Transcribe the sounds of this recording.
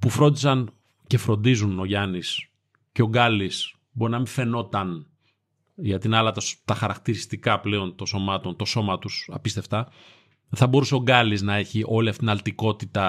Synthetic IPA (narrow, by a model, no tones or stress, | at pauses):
pufɾo̞nd̪isɐn | ce̞fɾo̞nd̪izuno̞ʝɐnis | ce̞o̞ɡɐlis | bo̞ɾinɐmĩɱfe̞no̞t̪ɐn | ʝɐt̪inɐlɐt̪st̪ɐxɐɾɐkt̪iɾist̪ikɐple̞o̞nt̪oso̞mɐt̪o̞nt̪o̞so̞mɐt̪usɐ̰pist̪e̞ft̪ɐ | θɐbo̞ɾuse̞o̞ɡɐliznɐe̞çiʔo̞liɐft̪it̪inɐlt̪iko̞t̪it̪ɐ